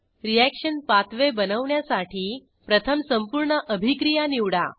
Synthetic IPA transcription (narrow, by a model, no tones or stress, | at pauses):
ɾijækʂənpat̪ʋebənəʋɳjasaʈiː | pɾət̪ʰəmsəmpuɾɳəʔəbʱikɾijaniʋɽa̰